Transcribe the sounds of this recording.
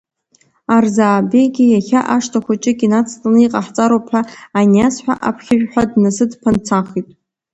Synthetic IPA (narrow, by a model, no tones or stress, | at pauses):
arzaːbejɡʲɪjaxʲaʔaʂtʰaχʷat͡ʃʼɪɡʲinat͡sʰtʼanɨiqʼaħt͡sʼaɾopʰħaanasħʷᶣa̰ʔapʰχʲɪʒᶣħʷadnɨsɨdpʰant͡sʰaχitʼ